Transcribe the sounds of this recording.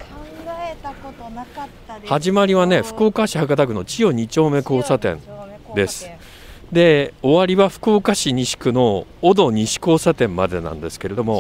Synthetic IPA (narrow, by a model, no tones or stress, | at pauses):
haʑimaɾʲiβane̞ɸɯ̥koːkaɕihakat̪akɯ̟no̞t͡ɕijo̞ɲ̟it͡ɕo̞ːme̞ko̞ːsat̪ẽ̞̰nd̪e̞sɨ̥ | d̪e̞o̞βaɾʲiβaɸɯ̥koːkaɕiɲ̟iɕi̥kɯ̟no̞ːd̪o̞ɲ̟iɕi̥ko̞ːsat̪ẽ̞mːa̰d̪e̞nã̰nd̪e̞sɨ̥ke̞ɾe̞d̪o̞mo̞